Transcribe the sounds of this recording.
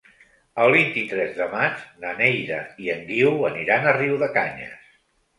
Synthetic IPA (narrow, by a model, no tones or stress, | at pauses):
əlˠβint̪it̪ɾɛzðəmad͡ʒnənɛjðəiəŋɡiwəniɾanəriwðəkaɲə̰s